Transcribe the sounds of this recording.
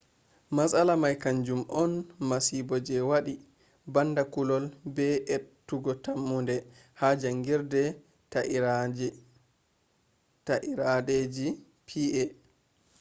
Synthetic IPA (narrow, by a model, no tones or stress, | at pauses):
masalamajkaɲd͡ʒumʔɔnmasibɔd͡ʒɛwaɗi | bandakulɔlbɛʔetːuɡɔtamːundɛ | had͡ʒaŋɡiɾdɛ | t | taʔiɾaɗed͡ʒi | pʰiʔɛ